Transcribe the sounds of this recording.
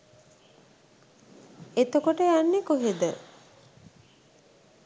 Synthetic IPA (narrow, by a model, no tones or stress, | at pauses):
et̪əkoʈəjanːekoɦed̪ə